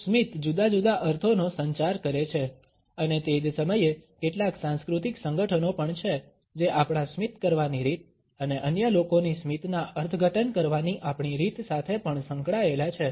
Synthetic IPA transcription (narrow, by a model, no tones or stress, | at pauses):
smit̪d͡ʒud̪ad͡ʒud̪aʔəɾt̪ʰonosəɲt͡ʃaɾkəɾet͡ʃʰe | ənet̪ed͡ʒsəməjekeʈlaksãnskɾut̪iksəŋɡəʈʰənopəɳt͡ʃʰe | d͡ʒeʔapɽ̃ãsmit̪kəɾʋaniɾit̪̚ | əneʔənjəlokonismit̪naəɾt̪ʰəɡʱəʈʰənkəɾʋaniʔapɳiɾit̪sat̪ʰepəɳsə̃ŋkɭaelat͡ʃʰe